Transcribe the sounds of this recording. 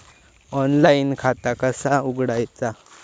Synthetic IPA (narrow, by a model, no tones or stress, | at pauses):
ɔnlainkʰat̪akəsauɡɽajt͡sa